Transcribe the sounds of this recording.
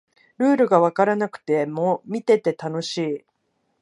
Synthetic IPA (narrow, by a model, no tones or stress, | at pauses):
ɾɯ̟ːɾɯ̟ɡaβ̞akaɾanakɯ̟̥t̪e̞momʲit̪e̞t̪e̞t̪ano̞ɕiː